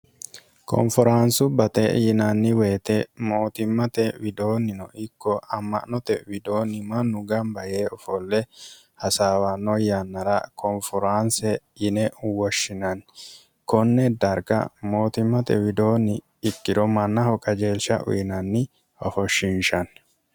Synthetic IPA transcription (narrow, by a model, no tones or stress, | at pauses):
kʰɔ̰mfɔɾaːnsʊbɐt̪ɛjɪnɐnːɪweːt̪ɛmo̞ːt̪ɪmːɐt̪ɛwɪd̪o̞ːnːɪnɔʔɪkːɔɐmːɐ̰ʔnɔt̪ɛwɪd̪o̞ːnːɪmɐnːʊɡɐmbɐjeːɔfɔlːɛ | hɐsaːwɐnːɔjɐnːɐɾɐkʰɔmfɔɾaːnsɛ | ɪnɛwɔʃːɪnɐn | kɔnːɛd̪ɐɾɡɐ̰mo̞ːt̪ɪmːɐt̪ɛ̰wɪd̪o̞ːnːɪː | kːɪɾɔmɐnːɐhɔkʼɐd͡ʒeːlʃɐ̰ʔʊ̰jɪnɐnːɪ | ɔ̰fɔʃːɪnʃɐn